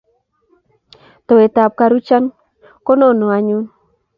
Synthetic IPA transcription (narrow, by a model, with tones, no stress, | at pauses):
t̪o˨e˨ta˨p̚ka˨ɾu˦t͡ʃa˦n | ko˦no˦˨no˨a˨ɲu˦n